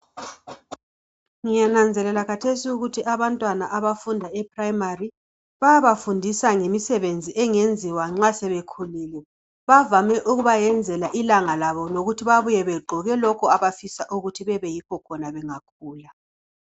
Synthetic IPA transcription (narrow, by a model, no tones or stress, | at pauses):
ŋijanand͡zʱɛlɛlakʰatʰesiuɣutʰiʔaβantʼwanaʔaβafundʱaɛpʰrajmari | βajaβafundʱisaŋemisɛβend͡zʱiʔɛŋend͡zʱiwaŋ͡ǁasɛβekʰuliːlɛ | βavamɛʔuɣuβajɛnd͡zʱɛlaʔilaŋalaβɔnoɣutʰiβaβujɛβeɡ͡ǃʱɔɣɛlɔkʰɔaβafisaʔuɣutʰiβɛβɛjikʰɔkʰɔnaβɛŋak̚ʰuːla